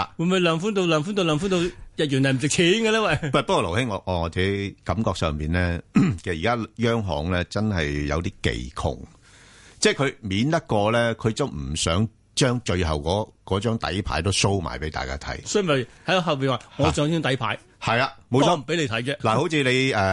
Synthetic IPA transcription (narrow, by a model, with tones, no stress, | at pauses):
a̰˨wuː˨˧mu˨˧lœː˨˩ŋfu˨˥nt̪o˧wlœː˨ŋfuː˨˥nt̪o˧wlœː˨ŋfu˥nt̪o˧wjɐ˨t̚jyː˨˩n˨˩m̩˨˩sɪ˨k̚t͡sʰiː˨˥nɡɛ˧lɛː˥wɐ˨˩jpa˨˩pkɔː˧lo˨˩hɪ˥ŋɔ˨˧ŋɔː˨˧ŋɔː˨˧t͡sɛ˨˥kɐ˨˥mkɔː˧k̚sœ̰ː˨ŋpiː˨˩nlɛː˥kʰɛː˨iː˨˩kaː˥jœː˥ŋɦɔ̰ː˨ŋlɛː˥t͡sɐ˥nɦɐ˨jjɐ̰˨˧wt̪iː˥kḛ˨jkʰʊ̰˨˩ŋ | t͡sɛː˥˩kʰɵ˨˧ɥmiː˨˥nt̪ɐ˥t̚kɔː˧lɛː˥kʰɵ˨˧ɥt͡sɐ˨wm̩˨˩sœː˨˥ŋ | t͡ʃœː˥ŋt͡ʃɵ˧ɥɦɐ˨wkɔː˨˧˥kɔː˨˥t͡ʃœː˥ŋt̪ɐ̰˨˥jpʰa̰ː˨˥jt̪o˥wso˥wma̰ː˨˩jpe˨˥jt̪a̰ː˨jka̰ː˥t̪ʰɐ̰˨˥jsɔ˥˨˩mɐ˨˩jhɐ˨˥kɔ˧ɦɐ˨wpiː˨nwaː˨˩ŋɔː˨˧sœː˨˧˥ŋt͡ʃœː˥ŋt̪ɐ˨˥jpʰaː˨˥j | hɐ˨jaː˧mo˨˧wʰɔː˧˨m̩˨pe˨˥le˧jt̪ʰɐ˨˥jt͡ɕɛː˧laː˨˩ho˨˥wt͡sʰiː˧le˨˧jɛ˨˧